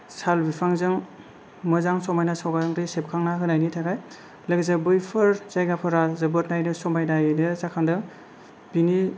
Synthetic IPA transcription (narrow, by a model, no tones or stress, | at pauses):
salbipʰaŋzɯŋ | mɯzaŋsɔmajnasawbaɾɯŋɾesep̚kʰaŋnaɦɯnajnitʰaɡaj | lɯɡzabɯjpʰɯɾzajɡapʰɯɾazɯbɯt̚najnɯsɔmajnajɯnɯzakʰandɯ | b̥ini